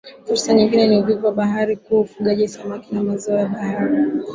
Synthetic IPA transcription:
fuɾsaɲiŋɡinɛniuvivɔwaɓaɦaɾikuaufuɠaʄisamakinamazɔɔjaɓahaɾi

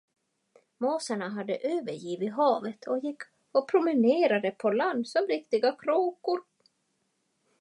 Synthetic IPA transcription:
moːsaɳaɦad̪ːəʔøːvəɾjiːvɪɦɑːvət̪ʰɔjɪkʰː | ɔpʰɾʊmɪneːɾad̪əpʰɔland̪sɔmɾɪkt̪ɪɡakʰɾoːkʊɾ

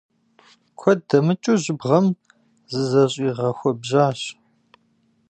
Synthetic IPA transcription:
kʷʰɔdɐmɨt͡ʃʼuʑɪbʁɐm | zɨzɐɕʼiːʁɐxʷɔbʑaːɕ

